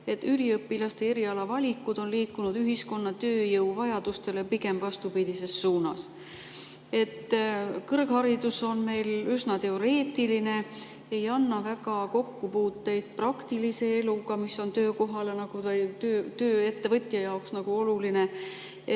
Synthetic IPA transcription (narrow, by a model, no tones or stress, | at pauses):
e̞t̪ːyliɤpːilɑst̪e̞e̞ɾiɑlɑvɑlʲikːˑud̪̥o̞nliːkːˑunud̪yɦisko̞nːɑt̪ø̞ːjɤwvɑjɑd̪̥ust̪e̞le̞piɡe̞mvɑst̪upid̪̥ise̞sːuːnɑs | e̞t̪ːkɤrɡhɑɾid̪uso̞nme̞jlysnɑt̪e̞o̞ɾe̞ːt̪ːˑiline̞ | e̞jɑnːɑvæɡɑko̞kːupuːt̪ːe̞jd̪̥̚prɑkt̪ilise̞e̞luɡ̥ɑmisːo̞nt̪ø̞ːko̞ɦɑlenɑɡ̥ujt̪øːt̪øːe̞t̪ːe̞vɤt̪ʲˑjɑjɑoksnɑɡ̥uo̞luline̞ | e